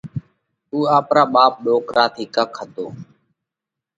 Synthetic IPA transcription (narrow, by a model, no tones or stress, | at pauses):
t̪uːaːpɾaːɓaːp̚ɗoːkɾaːt̪ʰiːkəkʰəd̪ʱo̰ː